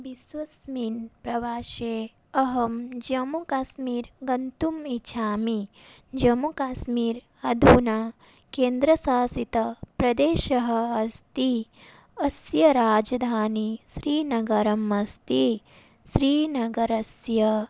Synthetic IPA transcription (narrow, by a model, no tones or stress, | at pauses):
bisʋɐsmiːnpɾɐʋaːʃeː | ɐɦɐmd͡ʒɐmukaːʃmiːɾɡɐnt̪umit͡ʃʰaːmi | d͡ʒɐmukaːsmiːɾ | ɐd̪ʱuːnaː | keːnd̪ɾɐsaːsit̪ɐpɾɐd̪eːʃɐɦɐ̆ɐst̪i | ɐsjɐɾaːd͡ʒɐd̪ʱaːniʃɾiːnɐɡɐɾɐmɐst̪i | ʃɾiːnɐɡɐɾɐsjɐ